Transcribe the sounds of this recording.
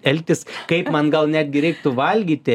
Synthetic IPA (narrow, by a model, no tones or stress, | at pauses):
ɛlʲt̪ʲɪskɐɪpmɐnɡɐlˠnʲæːd̪ʲɡʲɪɾʲɛɪk̚t̪ʊʋɐlʲɡʲiːt̪ʲɪ